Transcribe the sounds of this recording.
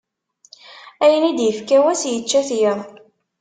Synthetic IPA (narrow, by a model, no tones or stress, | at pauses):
æjənid̪jəfkæwæsjət͡ʃːæθjəðˤ